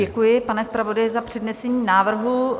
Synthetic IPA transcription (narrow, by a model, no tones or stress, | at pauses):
ɛkujɪpanɛspɾavo̞dajɛzapr̝̥ɛdnɛsɛɲiːnaːvr̩ɦu